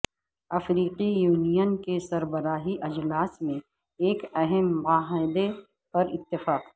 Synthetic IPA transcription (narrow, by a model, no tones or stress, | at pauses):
ɐfɾiːqijuːnijənkesɐɾbəɾaːɦiʔɐd͡ʒlaːsmẽ | eːkɛɦɛmbaːɦãɪd̪e | pɐɾɪ̰t̪ːɪfaːq